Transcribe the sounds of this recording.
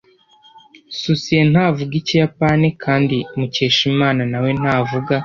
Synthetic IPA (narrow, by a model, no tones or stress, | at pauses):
susijen̥haːvuɡicijapaːnikʰaːndimuce̞ːʃimaːnanawe̞n̥aːvuɡa